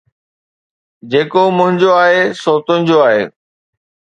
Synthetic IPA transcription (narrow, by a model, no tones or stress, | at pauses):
d͡ʑeːkomʊ̃ɦɪ̃ɲd͡ʑoaːɦesoːt̪ə̃nɪ̃̆d͡ʑoaːɦḛː